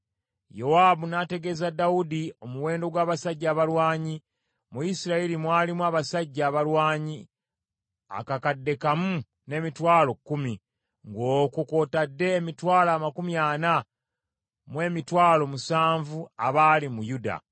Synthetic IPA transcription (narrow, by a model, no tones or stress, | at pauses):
jowaːbunate̞ɡe̞zadːaudio̞muwe̞ːndo̞ɡwaːβasaɟːaːβalwaːɲi | muisiɾaelimwaːlimwaːβasaɟːaːβalwaːɲi | a̰kakadːe̞kamu | ne̞mitwaːlo̞kːumi | ŋɡo̞ːkuko̞ːtadːe̞ːmitwaːlaːmakumjaːna | mwe̞ːmitwaːlo̞musaːɱvuaβaːlimujuda̰